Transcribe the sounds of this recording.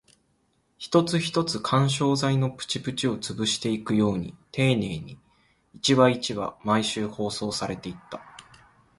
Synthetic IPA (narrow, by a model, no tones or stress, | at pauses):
çi̥t̪o̞t͡sɨçi̥t̪o̞t͡sɨkʰãɰ̃ɕ̬o̞ːzaino̞pɯ̟̥t͡ɕipɯ̟t͡ɕio̞t͡sɨbɯ̟ɕi̥t̪e̞ikɯ̟jo̞ːɲ̟ḭt̪e̞ːne̞ːɲ̟i | it͡ɕiβait͡ɕiβa̰maiɕɨːho̞ːso̞ːsaɾe̞t̪e̞it̪ːa